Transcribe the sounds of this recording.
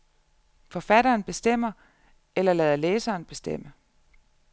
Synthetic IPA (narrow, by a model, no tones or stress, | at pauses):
fɒ̽fæɾɐːnb̥e̝sd̥em̰ɐ | elɐlɛð̞ˠɐleːsɐːnb̥e̝sd̥em̰ə